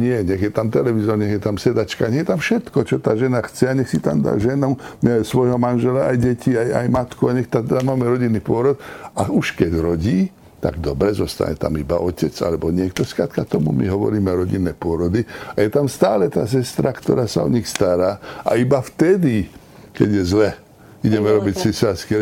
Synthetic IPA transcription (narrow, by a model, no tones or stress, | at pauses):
ɲɪɛɲɛɣjɛt̪amt̪ɛlɛʋizɔɾɲɛɣjɛt̪amsɛd̪at͡ʃkaɲɛɣjɛt̪amfʃɛt̪kɔt͡ʃɔt̪aːʒɛnaxt͡sɛaɲɛxsit̪a̰md̪a̰ʒɛnɔsʋɔjɦɔmanʒɛlaajɟɛciaja̰jmat̪kuaɲɛxt̪at̪ɛd̪amaːmɛɾɔɟinːipʊɔɾɔt̪auʃkɛɟɾɔɟiː | t̪a̰ɡd̪ɔbɾɛzɔst̪a̰ɲɛ̰t̪a̰miba̰ʔɔcɛd͡za̰lɛbɔɲɪɛkt̪ɔskɾa̰ːt̪kat̪ɔmṵmḭɦɔʋɔ̰ɾiːmɛɾɔɟinːɛpʊɔɾɔd̪iajɛt̪amst̪aːlɛt̪a̰ːs̬ɛst̪ɾakt̪ɔ̰ɾaːsa̰ɔ̰ɲixst̪aɾaːa̰ibaft̪ɛd̪i | kɛ̰ɟjɛzlɛ | iɟɛmɛɾɔbicsisaskɛ